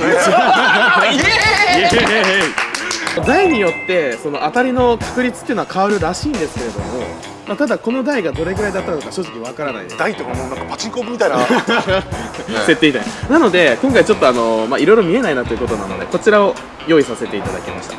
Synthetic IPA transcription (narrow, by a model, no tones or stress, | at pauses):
eid̪aiɲ̟ijo̞t̪ːe̞so̞no̞ʔat̪aɾʲino̞kḁkɯ̟ɾʲit͡sɨ̥t̪ːeɯ̟noakʰaɯɾɯ̟ɾaɕiːnd̪e̞sɨ̥ke̞ɾe̞d̪o̞̰mo̞ | mat̪ad̪ako̞no̞d̪aiɡad̪o̞ɾe̞ɡɯ̟ɾaid̪at̪ːano̞kaɕo̞ːʑi̥kʲiβakaɾana̰ḭd̪e̞sd̪ait̪ːokanonãŋkapat͡ɕikoːbɯmʲit̪aina | set̪ːe̞it̪aɲa̰nano̞d̪e̞kõ̞ŋkait͡ɕo̞t̪ːo̞ano̞maiɾo̞jɾo̞mʲie̞nainat̪o̞iɯ̟ko̞t̪o̞na̰no̞̰d̪e̞̰ko̞t͡ɕiɾao̞ | jo̞ːisase̞t̪e̞it̪ad̪a̰kʲima̰ɕi̥t̪ḁ